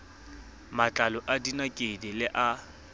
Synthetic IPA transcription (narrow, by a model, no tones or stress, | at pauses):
mat͡ɬʼalɔʔadinakʼɪdɪlɪʔa